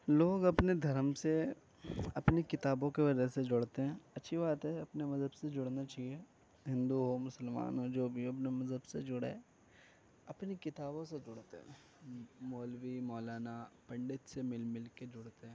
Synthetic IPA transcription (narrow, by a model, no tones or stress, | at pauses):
loːɡɐpned̪ʱɐɾəmse | ɐpnekɪt̪aːbõkeʋɐd͡ʒəsed͡ʒʊɽt̪eɦɛ̃ːɐtːʃʰibaːt̪ɦɛɐpnemɐzʱəbsed͡ʒʊɽnat͡ʃaːɦie | ɦɪ̃nd̪uɦomʊsəlma̰ːnɦod͡ʒoːbʱiɐpnemɐzʱəbsed͡ʒʊɽḛ | ɐpnekɪt̪aːbõsed͡ʒʊɽt̪ḛɦɛ̰̃ | moːlwimɔːlaːnapɐ̃ɳɖɪt̪semɪlmɪlked͡ʒʊɽt̪eɦɛ̃ː